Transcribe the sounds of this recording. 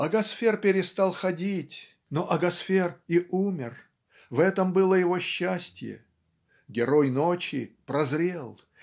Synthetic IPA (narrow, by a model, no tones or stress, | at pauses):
ɐɡɐsfʲerpʲɪɾʲɪst̪ɑlˠxɐdʲitʲ | noʔɐɡɐsfʲeriʔumʲɪr | vɛt̪əmbɨlˠəjɪvo̞ɕːæsʲtʲjə̰ | ɡʲɪɾo̞jno̞t͡ɕɪpɾɐzɾʲelˠ